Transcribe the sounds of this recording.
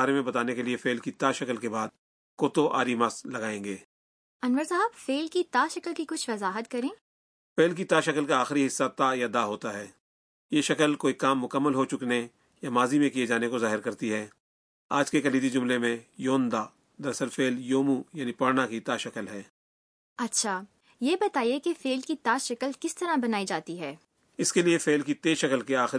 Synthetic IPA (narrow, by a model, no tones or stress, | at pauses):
aːɾemẽbɐt̪aːnekeliefeːlkit̪aːʃɐkəlkebaːd̪̚ | koːt̪oʔa̰ːɾimaːslɐɡaːẽːŋɡeː | ɐnʋəɾsaɦaːbfeːlkit̪aːʃɐkəlkikʊt͡ʃʰʋɐzaːɦət̪kɐɾẽː | feːlk̬it̪aːʃɐkəlkaaːxɾiɦɪsːat̪ajad̪aːɦoːt̪aɦɛː | jeʃɐkəlkoːikaːmːʊkəmːəlɦot͡ʃʊkne | jamaːzimẽkijed͡ʒaːnekozaːɦɪɾkɐɾt̪iɦɛː | aːd͡ʒkekɐliːd̪id͡ʒʊmlemẽjoːnd̪aː | d̪ɐɾsəlfeːljoːmujaːnipɐɾnakit̪aːʃɐkəlɦɛː | ɐtːʃʰaː | jeːbɐt̪aːijekefeːlkit̪aːʃɐkəlkɪst̪ɐɾabɐnaːid͡ʒaːt̪iɦɛː | ɪskeliefeːlkit̪eːʃɐkəlkeaːx